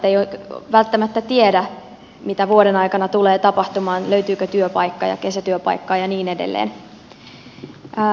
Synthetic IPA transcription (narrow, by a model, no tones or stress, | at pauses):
ejoʋælt̪ːæmæt̪ːæt̪iedæ | mit̪æʋuoɾenɑjkɑnɑt̪uleːt̪ɑpɑht̪umɑːnløyt̪yːkøt̪yøpɑjkːɑ̰ːjɑ̰ke̞sæt̪yøpɑ̰jkːɑːjɑniːnedḛlːḛːn